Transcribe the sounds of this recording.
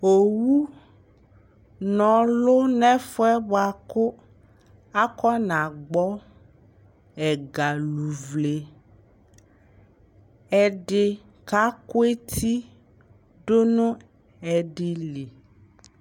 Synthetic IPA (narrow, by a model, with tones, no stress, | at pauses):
o˨wu˦ | nɔ̃˨lʊ˦nɛ̃˦fʊ˦ɛ˦ba˨kʊ˦ | a˦kɔ˦nã˨ɡ͡bɔ˦ | ɛ˨ɡa˨lu˨vle˨ | ɛ˨ɖɪ˨ | ka˦ko˦e˦t̪ʰi˦ | ɖo˦nũ˦ | ɛ˨ɖi˨li˨